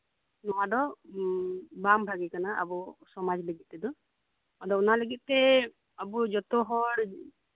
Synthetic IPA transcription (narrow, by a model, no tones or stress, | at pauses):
nɔwadɔ | bambʱaɡikanaa̰busɔmad͡ʒləɡit̪̚ːɛd̪ɔ | ɔd̪ɔunaləɡit̪ːɛ | abud͡ʒɔt̪ɔɦɔɽ